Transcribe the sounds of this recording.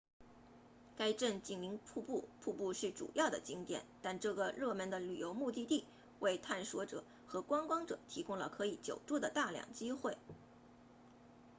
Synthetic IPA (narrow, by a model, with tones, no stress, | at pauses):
ka˥ɪʈ͡ʂə˥˩nt͡ɕi˥˩ŋli˧˥ŋpʰu˥˧pu˥˩pʰu˥˧pu˥˧ʂɻ̩˥˩ʈ͡ʂṵ˨˩jɑ˥˩ʊd̪ə̰˩t͡ɕi˥ŋt̪jɛ̰˨˩˦nt̪a˥˧nʈ͡ʂɤ˥˩ɡə˩ɻɤ˥˧mə˧˥nd̪ə˨ly̰˨˩jo˧˥ʊmu˥˧t̪i˥˧t̪i˥˩ | wʔe˥˧ɪt̪ʰa˥˩nʂwɔ˧˥ʈ͡ʂɤ̰˨˩˦ | xɤ˧˥kwɑ˥ŋkwɑ˥ŋʈ͡ʂɤ̰˨˩˦t̪ʰi˧˥kʊ˥ŋlə̰˨kʰɤ˧˥i˨˩t͡ɕjo˨˩ʊʈ͡ʂu˥˩d̪ə˨˩t̪a˥˧ljɑ̰˨˩ŋt͡ɕi˥xwe˥˩ɪ